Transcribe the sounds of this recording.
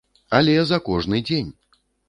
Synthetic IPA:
alʲɛzɐkɔʐnɨd͡zʲenʲ

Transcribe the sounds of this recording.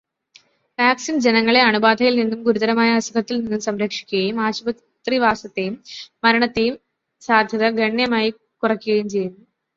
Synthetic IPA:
ʋaːksind͡ʑenɐŋːɐɭe̞ɐɳubaːd̪ʱɐjilninːumɡuɾuðɐɾɐmaːjɐɐsɐd̪ʰʱɐt̪ːilninːumsɐmɾɐkʂi̥kʲːuɣɐjumaːɕubɐ | t̪riʋaːsɐt̪ːe̞jumːɐɾɐɳɐt̪ːe̞jum | saːd̪ʱjɐðɐɡɐɳjɐmaːji | kurɐkːuɣɐjumt͡ɕe̞jːunːu

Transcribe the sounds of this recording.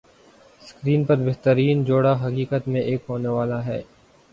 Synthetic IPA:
skɾiːnpɐɾbeɦt̪əɾiːnd͡ʒoːɽaɦɐkiːkət̪mẽʔeːkɦoːneʋaːlaɦɛː

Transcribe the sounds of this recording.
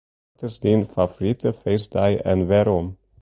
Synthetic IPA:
t̪əsd̪infɑfʊɾɪt̪əfeɪsd̪æɪʔɛ̰nʋeːɾɔm

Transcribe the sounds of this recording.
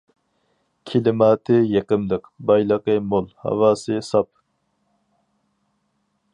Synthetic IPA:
kʲʰɪlɪmɑːt̪ʰɨjeqəmlˠəqbɑjlˠəqəmolˠhɑ̰wɑːsɨsɑp̚

